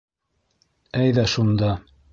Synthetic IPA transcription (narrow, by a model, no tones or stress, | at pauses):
æjðæʃund̪ɑ